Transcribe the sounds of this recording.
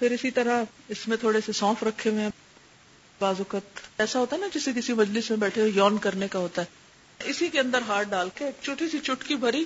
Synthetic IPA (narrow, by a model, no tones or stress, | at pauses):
pʰɪɾɪsit̪ɐɾaɪsmẽt̪ʰoːɽesesɔːfʰɾɐkʰːeʋẽ | baːzʊkət̪ɛːsaɦoːt̪aɦɛnad͡ʒɪsek̬ɪsimɐd͡ʒlɪsmẽbɛːʈʰeojɔːnkɐɾnekaɦoːt̪aɦɛː | ɪsikeɐ̃nd̪əɾɦaːʈ̚ɖaːlket͡ʃʊʈʰisit͡ʃʊʈʰkibʱɐɾi